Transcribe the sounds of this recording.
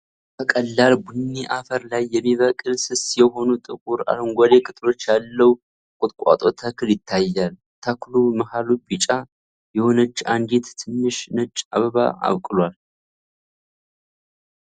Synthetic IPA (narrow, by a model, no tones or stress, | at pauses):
bəkʼəlːalbunːiʔafəɾlajːɛmːiβəkʼɨlsɨsjɛho̞nut̪ʼɨkʼuɾa̰lŋɡʷole̞kʼɨt̪ʼɾo̞t͡ʃːjalːəw | kʼʊt̪ʼkʷʼa̰t̪ʼo̞t̪ʰəkʰɨljɪt̪ʰːajːal | t̪ʰəkluməhalubit͡ʃʼa | jɛho̞nət͡ʃːand̪et̪t̪ʰɨnːɨʃnɨt͡ʃʼːaβəβa̰a̰βkʼɨlwal